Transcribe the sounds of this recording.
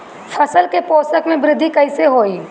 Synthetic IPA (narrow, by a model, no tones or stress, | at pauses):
fʰɐsəlkepoːsəkmẽbɾɪd̪ʱːikɐɪseɦoːiː